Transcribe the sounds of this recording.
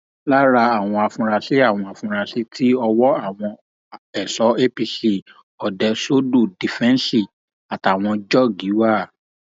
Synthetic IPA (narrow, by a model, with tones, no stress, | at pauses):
la˦ɾa˧a˨w̃ɔ̃˧a˨fũ˧ɾa˧se˦a˦˨w̃ɔ̃˧a˨fũ˧ɾa˧si˦tʰi˦ɔ˧wɔ˦a˦˨w̃ɔ̃˧ | ɛ˨sɔ˨˦e˦pi˧si˦˨ | ɔ˨dɛ˧so˦du˦˨di˨fɛ̃˦n˦si˦˨ | a˨ta˨w̃ɔ̃˧d͡ʒɔ˦ɡi˨˦wa˦˨